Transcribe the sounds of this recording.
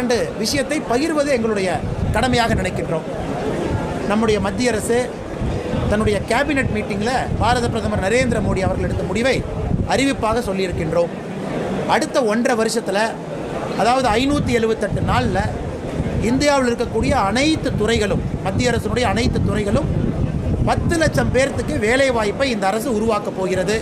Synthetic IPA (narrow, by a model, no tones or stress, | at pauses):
ɐnɖɯʋɪʂɐjɐt̪ːɐɪpɐjɪɾʋɐðɯɛŋɡɐɭɯɽɐjɐkɐɽɐmɐjaːɣɐnɪnɐɪkːɪndroːm | nɐmːɯɽɐjɐmɐd̪ːɪjɐɾɐsɯ | t̪ɐnːɯɽɐjɐkaːbɪnɛʈmiːʈːɪŋɡɪlɐb̥aːɾɐðɐpɾɐðɐmɐɾnɐɾeːnd̪ɪɾɐmoːɽiɐʋɐɾɣɐɭɛɽɯt̪ːɐmʊɽɪʋɐɪʔɐɾɪʋɪpːaːɣɐsɔlːɪɪɾɯkːɪndroːm | ɐɽɯt̪ːɐɔndrɐʋɐɾɯʂɐt̪ːɪlɐ | ɐðaːʋɐðɯɐɪnuːt̪ːɯɛɻɯʋɯt̪ːɐʈːɯnaːɭlɐ | ɪnd̪ɪjaːʋɪlɪɾɯkːɐkːuːɽɪjɐːnɐɪt̪ːɯt̪ːʊrɐɪɣɐɭɯmːɐd̪ːɪjɐɾɐsɪnɯɽɐjɐːnɐɪt̪ːɯt̪ːʊrɐɪɣɐɭɯm | pɐt̪ːɯlɐt͡ʃːɐmpeːɾɐt̪ːɯkːɯʋeːlɐɪʋaːjpːɐɪɪnd̪ɐːɾɐsɯʊɾʊʋaːkɐpːoːɣɪɾɐðɯ